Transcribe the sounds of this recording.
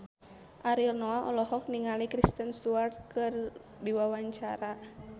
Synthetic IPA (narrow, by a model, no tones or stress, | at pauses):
ʔaɾilnɔaʔɔ̰lɔhɔk̚niŋalikɾist̪ənst̪uart̪̚kɨr | diwawaɲt͡ʃaɾa